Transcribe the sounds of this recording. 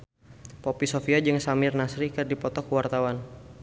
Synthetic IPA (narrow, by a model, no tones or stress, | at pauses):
popisofiad͡ʒɨŋsamɪrnasɾikərdipɔt̪ɔkwart̪awan